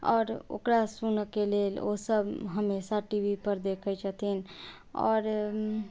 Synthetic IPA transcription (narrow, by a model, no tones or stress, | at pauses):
ɔːɾo̰kɾasunkelelo̰səbɦəmesaʈibʱipəɾd̪ekʰəjt͡ʃʰət̪ʰin | ɔ̰ːɾ